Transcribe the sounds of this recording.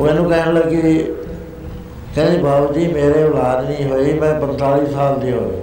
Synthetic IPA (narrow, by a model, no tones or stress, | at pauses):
mɛ̃ːnũːkɛɦɽləɡkɪ | kə̃dibʱaːʋt̪iːmeːɾeːʊlaːd̪nĩːɦoiːmɛ̃ːpə̃nt̪aːliːsaːld̪iːɦoe